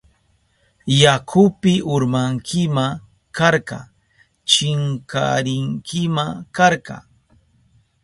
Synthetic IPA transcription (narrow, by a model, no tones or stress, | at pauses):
jakʰʊpɪʔʊɾmaŋkʰɪma | kaɾkɑ̰ | t͡ʃɪŋka̰ɾɪŋkʰɪmakaɾɢɑ̰